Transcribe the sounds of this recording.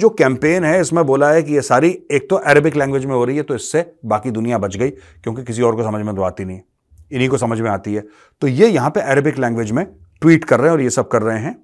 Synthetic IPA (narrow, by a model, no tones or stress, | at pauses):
d͡ʒoːkɛ̃ːmpeːnɦɛɪsmẽboːlaɦɛkijesaːɾieːk̚t̪oʔɛːɾəbɪklɛ̃ːŋɡʋɪd͡ʒmẽɦoɾɐɦiɦɛt̪oɪsːebaːkid̪ʊnijabɐt͡ʃɡɐikjõːk̬ikɪs̬iɔːɾkosɐməd͡ʒʱmẽd̪oa̰ːt̪inɐɦĩɦɛ̃ | ɪnɦikosɐməd͡ʒʱmẽaːt̪iɦɛː | t̪ojejɐɦãpeʔɛːɾəbɪklɛ̃ːŋɡʋed͡ʒmẽʈwiːʈkɐɾːɐɦẽɔːɾjesɐb̚kɐɾːɐɦeɦɛ̃ː